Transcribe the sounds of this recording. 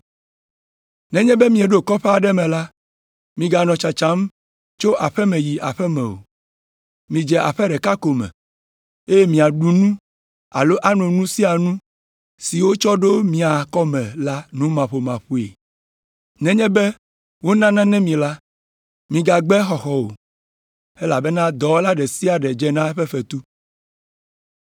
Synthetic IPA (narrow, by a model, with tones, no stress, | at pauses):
nɛ̃˦ɲɛ̃˦bɛ˦mĩ˨e˨ɖo˦kɔ˦ɸɛ˦a˨ɖɛ˦mɛ̃˨la˦ | mĩ˨ɡa˨nɔ̃˨t͡ʃa˨t͡ʃã˦m | t͡ʃo˦ʔa˨ɸɛ˦mɛ̃˨ji˨ʔa˨ɸɛ˦mɛ̰̃˨wo̰˨ | mĩ˨d͡ʒɛ˨ʔa̰˨ɸɛ˦ɖɛ˨ka˦ko˨mɛ̰̃˨ | e˦je˦mĩ˨a˨ɖu˨nũ˦ | a̰˨lo˦ʔa˦nɔ̃˨nũ˦si˦a˨nũ˦ | si˨wo˦t͡ʃɔ˦ɖo˦mĩ˨a˨kɔ˦mɛ̃˨la˦nũ˦mã˨ɸo˨mã˨ɸu˦ḛ˨ | nɛ̃˦ɲɛ̃˦bɛ˦ | wo˦nã˦nã˦nɛ̃˦mĩ˨la˦ | mĩ˨ɡa˨ɡ͡bɛ˦xɔ˨xɔ˨wo˨ | e˦la˨bɛ˦nã˦d̪ɔ˨wo˦la˦ɖɛ˨si˦a˨ɖɛ˨d͡ʒɛ˦nã˦ɸɛ˦ɸɛ˨t̪u˦